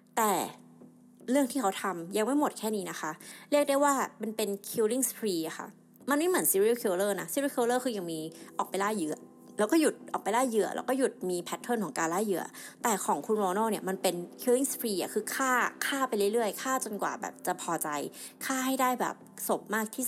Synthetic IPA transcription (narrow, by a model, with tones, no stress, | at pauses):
t̪ɛː˨˩ | ɾɯ˥˩əŋʰiː˥˩kʰa˦˥wt̪ʰa˧mja˧ŋma˥˩jmo˨˩t̪̚kʰɛː˥˩niː˦˥na˦˥xʰa˦˥ʔɾi˥˩ək̚da˥˩jwaː˥˩ma˧npe˧nkʰi˧wli˥˩ŋspʰɾiː˧ʔa˨˩xʰa̰˥˩ | ma˧nma˥˩jmɯ˩˦nsiː˧˦˥ɾi˥˩˨wkʰi˧wlɤː˥˩na˦˥siː˧˦ɾi˥˩kʰi˧lɤː˥˩kʰɯː˧ja˨˧˩ŋmiː˧ʔɔː˨˩k̚pa˧jlaː˥˩jːɯ˨˩ɐ | lɛː˦˥wkɔː˥˩ju˨˩t̪̚ʔɔː˨˩k̚pa˧jlaː˥˩jːɯ˨˩ɐlɛ̰ː˦˥wkɔː˥˩ju˨˩t̪̚miː˧pʰɛ˦˥t̪ʰːo˥˩nkʰɔː˩˦ŋkaː˧laː˥˩jːɯ˨˩ɐt̪ɛː˨˩kʰɔː˩˦ŋkʰu˧nwɔː˧nɔː˥˩ni˥˩ɐma˧npe˧nkʰi˧wli˥˩ŋspʰɾiː˧ʔa̰˨˩kʰɯː˧kʰaː˥˩kʰaː˥˩pa˧jlɯ˥˩jlɯ˥˩əjkʰaː˥˩t͡ɕo˧nkwa̰ː˨˩bɛ̰ː˨˩p̚t͡ɕa˨˩pʰɔː˧t͡ɕa˧j | kʰaː˥˩ɦa˥˩jdaː˥˩jbɛ̰ː˨˩p̚so˨˩˦p̚maː˥˩k̚t̪ʰiː˥˩s̚